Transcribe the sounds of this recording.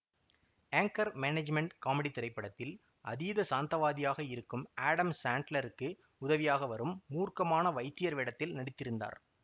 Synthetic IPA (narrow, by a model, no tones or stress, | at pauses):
eːŋkɐɾmened͡ʒmɛɳʈkaːmɛɽit̪ɪɾɐɪpːɐɽɐt̪ːɪl | ʔɐ̰ðiːðɐsaːnt̪ɐʋaːðɪjaːɣɐɪɾɯkːɯmaːɽɐmsaːɳʈlɐɾɯkːɯ | ʊðɐʋɪjaːɣɐʋɐɾɯmːuːrkɐmaːnɐʋɐɪt̪ːɪjɐɾʋɪɽɐt̪ːɪlnɐɽɪt̪ːɪɾɯnd̪a̰ːɾ